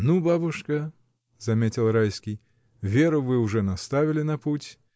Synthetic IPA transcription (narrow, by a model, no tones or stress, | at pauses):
nubabuʂkɐ | zamʲet͡sʲilˠɾajskʲij | vʲeɾuvɨwʐɛnast̪avʲilʲɪnɐput͡sʲ